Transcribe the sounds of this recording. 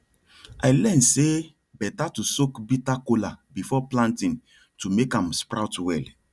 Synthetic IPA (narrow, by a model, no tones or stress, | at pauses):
ajlɛ̃nse | bɛtatusokbitakolabifɔplãntĩn | tumekãmspɾawtwɛl